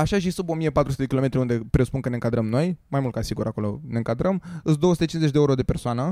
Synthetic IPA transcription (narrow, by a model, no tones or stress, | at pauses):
aʃaʃ̬isubo̞mijepat̪ɾusut̪eekʲilo̞met̪ɾʲiund̪e̞pɾespunkəneɨŋkad̪ɾəmno̞jmajmult̪kasiɡuɾako̞lo̞̰ne̞ɨŋkad̪ɾəmɨsd̪o̞əsut̪et͡ʃinzet͡ʃʲd̪euɾo̞d̪epe̞rsoanə